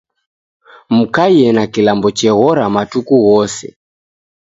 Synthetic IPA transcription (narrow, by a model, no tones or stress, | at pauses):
m̩kajɛnakilambɔt͡ʃɛɣɔɾamatukuɣɔsɛ̰